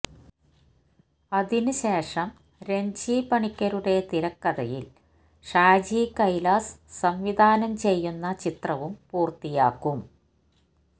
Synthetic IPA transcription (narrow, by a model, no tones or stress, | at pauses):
ɐðinɨɕe̞ːʂɐm | ɾe̞ɲd͡ʑiːpɐɳikʲːɐɾuɽe̞t̪iɾɐkːɐðɐjḭl | ʂaːd͡ʑiːkɐjlaːssɐmʋid̪ʱaːnɐmt͡ɕe̞jːunːɐt͡ɕit̪rɐʋumpuːrt̪ijaːkːum